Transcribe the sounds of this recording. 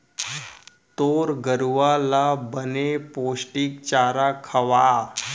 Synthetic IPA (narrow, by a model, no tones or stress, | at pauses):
t̪oɾɡəɾuʋalabəneposʈik̚t͡ɕaːɾakʰəʋa